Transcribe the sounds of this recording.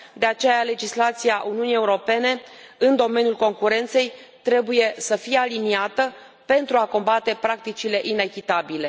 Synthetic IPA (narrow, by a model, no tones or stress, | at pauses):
d̪e̞at͡ʃe̞jale̞d͡ʒislat̪siaʔuniunije̞uɾo̞pe̞ne̞ɨnd̪o̞me̞njulko̞ŋkuɾe̞nt̪se̞jt̪ɾe̞buje̞səfijealiniat̪ə | pe̞nt̪ɾuako̞mbat̪e̞pɾak̚t̪it͡ʃile̞ʔine̞kʲit̪abile̞